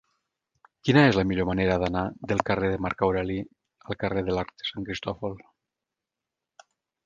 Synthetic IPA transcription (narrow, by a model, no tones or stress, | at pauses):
kinaezlamiʎomaneɾaðanaðelˠkareðemaɾkawɾali | alˠkareðelaɾk̚t̪e̥saŋkɾist̪ɔfol